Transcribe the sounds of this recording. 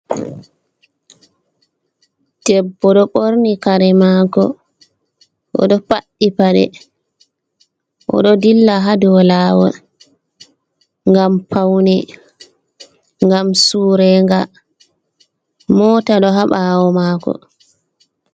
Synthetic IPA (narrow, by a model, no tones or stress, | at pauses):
d̥ɛbːɔɗɔɓoɾnikaɾɛmakɔ̰ | ʔɔ̰ɗɔpaɗːipaɗɛ̰ | ʔɔ̰ɗɔdilːaɦadɔlawɔ̰ | ŋɡampʰawnɛ | ŋɡamsuːɾɛŋɡa | mɔtaɗɔɦaɓawɔmaːkɔ̰